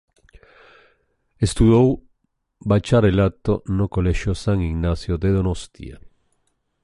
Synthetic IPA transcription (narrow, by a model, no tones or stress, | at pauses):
est̪uðow | bat͡ʃaɾelat̪ːonokoleʃosaŋiɡnasjod̪eðonost̪ḭa̰